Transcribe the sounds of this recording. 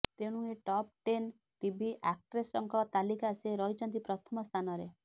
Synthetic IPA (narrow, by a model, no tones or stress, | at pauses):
t̪eɽ̃ũeʈɔp̚ʈen | ʈibʱiʔak̚ʈɾesɔŋkɔt̪alikaseɾɔɦit͡ʃʰɔnt̪ipɾɔt̪ʰɔmɔst̪ʰanɔɾe